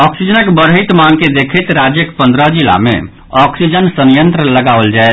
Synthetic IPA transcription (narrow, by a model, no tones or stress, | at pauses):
ɔksid͡ʒənəkbəɾɦət̪maɡked̪ekʰət̪ɾad͡ʒjəkpə̃nd̪ɾəd͡ʒila̰mḛ | ɔksid͡ʒənsənjənt̪ɾələɡaʋəld͡ʒae